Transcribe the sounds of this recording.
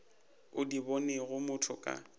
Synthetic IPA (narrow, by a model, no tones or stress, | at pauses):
ʊdibɔneɣʊmʊtʰʊkʼa̰